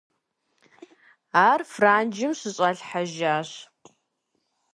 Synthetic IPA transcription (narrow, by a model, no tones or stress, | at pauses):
aːrfraːnd͡ʒɪmɕɨɕʼɐɬħaʒaːɕ